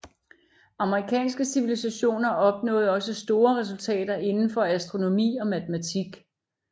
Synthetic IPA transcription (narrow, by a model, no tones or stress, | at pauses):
ɑ̈məʁikʰɛ̰ːnsɡ̥əsiʋilisæɕo̝̰ːnɐɒ̽b̥nɔ̰̽ːð̩ˠɒ̽səsd̥o̝ːɐʁɛs̬ult͡sʰɛ̰ːd̥ɐʔe̝nn̩fɒ̽æsd̥ʁo̝no̝mḭːɒ̽mæt͡səmæt͡sʰiɡ̥